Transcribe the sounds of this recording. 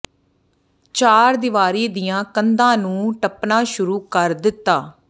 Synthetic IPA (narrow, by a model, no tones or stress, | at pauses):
t͡ʃaːɾd̪ɪʋaːɾiːd̪ɪjãːkənd̪ãːnũːʈəpnãːʃʊɾuːkəɾd̪ɪt̪ːaː